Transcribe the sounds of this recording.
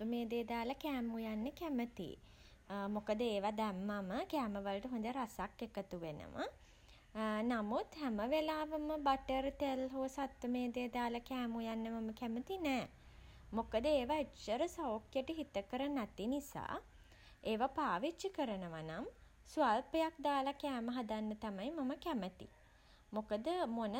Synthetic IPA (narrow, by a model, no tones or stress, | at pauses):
t̪ʋəmeːd̪eːd̪aːləkæːmujanːəkæmət̪ḭ | mokəd̪əeːʋad̪ɛmːaməkæːməʋələʈəɦõnd̪əɾasakːekət̪uʋenə̰mʔə̰ | namut̪hæməʋelaːʋəməbaʈəɾt̪elɦoːsat̪ʋəmeːd̪eːd̪aːləkæːmujanːəmaməkæmət̪inɛː | mokəd̪əeːʋait͡ʃəɾəsawokjəʈəɦit̪əkəɾənat̪inisa̰ː | eːʋapaːʋit͡ʃːikəɾənəʋanam | sualpəjak̚d̪aːlakɛːməɦad̪anːət̪amajmaməkæmət̪ḭ | mokəd̪əmonə